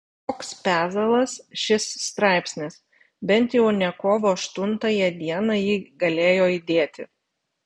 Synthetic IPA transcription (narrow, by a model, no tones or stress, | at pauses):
t̪oːkspʲæːzɐlˠɐsʃʲɪsːt̪ɾɑˑɪpʲsʲnʲɪs | bʲɛnʲt̪ʲjɛʊnʲɛkoːʋoːɐʃt̪ʊnt̪ɐjɛd̪ʲiɛnɑjiːɡɐlʲeːjoːɪd̪ʲeːt̪ʲɪ̰